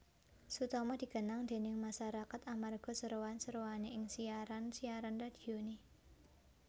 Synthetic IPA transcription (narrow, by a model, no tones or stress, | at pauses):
sut̪ɔmɔd̥̪i̤ɡ̥ə̤naŋd̪̥e̤nɪŋmaʃaɾakat̪amarɡ̥ɔ̤səɾowansəɾowaneɪŋsiaɾansiaɾanrad̪̥i̤one